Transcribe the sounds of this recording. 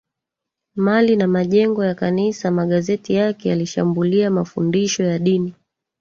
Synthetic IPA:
malinamaʄɛŋɡɔjakanisamaɠazɛtijakɛjaliʃa̰mbuliamafundiʃɔjaɗini

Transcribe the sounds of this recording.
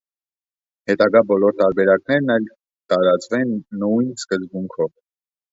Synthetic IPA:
hɛt̪ɑɡɑbɔlɔɾt̪ɑɾbɛɾɑknɛɾnɑjl | t̪ɑɾɑt͡svɛnːujnskəzbuŋkʰɔv

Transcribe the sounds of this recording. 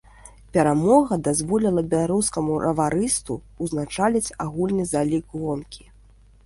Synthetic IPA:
pʲɛɾamɔɣɐd̪azvɔlʲilˠɐbʲɛlˠaɾuskɐmuɾʔɐ̰vaɾɨst̪ṵ | uznat͡ʂalʲɛt͡sʲaɣulʲnɨzalʲikɣɔnkʲʰi̥

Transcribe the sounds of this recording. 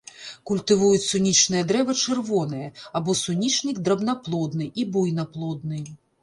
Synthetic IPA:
kulʲt̪ɨvujut͡sʲsunʲit͡ʂnɨjɐd̪ɾɛvɐt͡ʂɨrvɔnɨjɛabɔsunʲit͡ʂnʲiɡd̪ɾɐbnaplˠɔd̪nɨʔibujnɐplˠɔd̪̚nɨ

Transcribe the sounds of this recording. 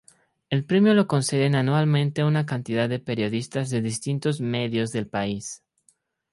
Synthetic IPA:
e̞lpɾemjolo̞ko̞nseðenanwalmẽnt̪eunak̬ant̪iðaððe̞pe̞ɾjo̞ðist̪azðe̞ðist̪int̪o̞zmeðjo̞zðe̞lpais

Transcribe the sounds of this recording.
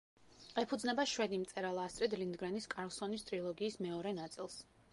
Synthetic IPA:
ɛpʰud̪znɛbaʃwɛd̪imt̪sʼɛɾalˠast̪ʼɾɛd̪lind̪ɡɾaniskʼaɾlˠsɔnist̪ʼɾilˠɔɡiːsmɛɔɾɛnat̪sʼilˠs

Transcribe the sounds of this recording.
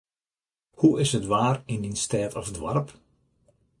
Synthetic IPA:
huɪshətʋaːrɪndinstɛːtɔfdʋa̰rp

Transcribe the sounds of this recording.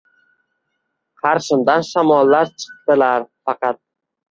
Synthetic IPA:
qʰɑɾʃɪmd̪anʃamɒlːaɾt͡ʃʰɨ̥q̚t̪ɪlaɾfɑqɑt̪̚

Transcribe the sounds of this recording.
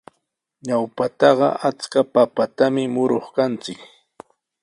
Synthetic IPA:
ɲawpat̪ɑɢɑ̰ʔat͡skapapat̪amɪmʊɾoχkant͡sɪk

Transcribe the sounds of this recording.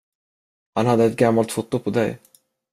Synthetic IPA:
hanhad̪ːəɛt̪̚ɡamːalt̪fʊt̪ːʊpʰɔd̪ɛj

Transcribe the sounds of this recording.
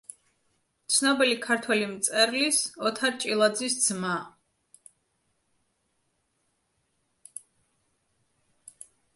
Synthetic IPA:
t̪sʰnɔbilikʰaɾt̪ʰwɛlimt̪sʼɛɾlisɔt̪ʰat͡ʃʼilˠad̪zisd̪z̥ma

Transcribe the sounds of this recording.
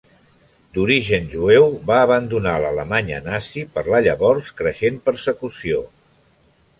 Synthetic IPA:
d̪uɾiʒənʲʒuewβaəβənd̪unalələmaɲə̰nasipəɾlaʎəβɔrskɾəʃempəɾsəkusio

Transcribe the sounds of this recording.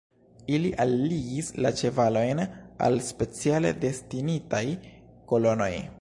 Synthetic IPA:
iliʔalːiɡislat͡ʃe̞valo̞jna̰lspe̞t͡siale̞̰de̞stinitajko̞lo̞no̞j

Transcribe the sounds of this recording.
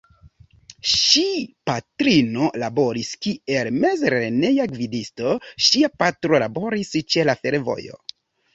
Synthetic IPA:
ʃipatɾino̞labo̞ɾiskie̞lme̞zɾene̞jaɡvidisto̞ʃiapatɾo̞labo̞ɾist͡ʃe̞lafe̞ɾvo̞̰jo̞̰

